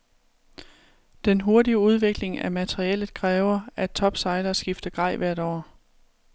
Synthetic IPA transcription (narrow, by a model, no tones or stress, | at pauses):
d̥enɦo̝ɐdiəuð̞ˠʋe̝ɡ̥le̝ŋæmæt͡sʰeʁiɛlð̩ˠkʰʁɛːʊɐæ̥t͡sʰɒ̽b̥sɑ̈ɪlɐsɡ̥ifd̥ɐɡ̥ʁɑ̈ɪ̰ʋæɐɾ̥ɒ̰ː